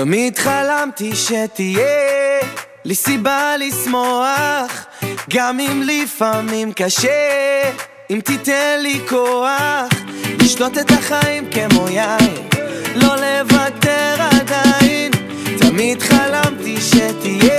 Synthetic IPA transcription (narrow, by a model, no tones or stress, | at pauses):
t̪amid̪χalamt̪iʃet̪ije | lisibalismoaχ | ɡamimlifamimkaʃe | imt̪it̪ɛnlikoaχliʃto̞t̪et̪aχaimkemojainlo̞levat̪eʁad̪ain | t̪amid̪χalamt̪iʃet̪ije